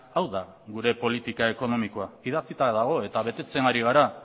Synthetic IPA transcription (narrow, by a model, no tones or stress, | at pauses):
awða | ɣuɾe̞po̞lit̪ikae̞ko̞no̞miko̞aiðat͡sit̪aɾaðaɣo̞e̞t̪aβ̞e̞t̪e̞t͡se̞naɾiɣ̞aɾa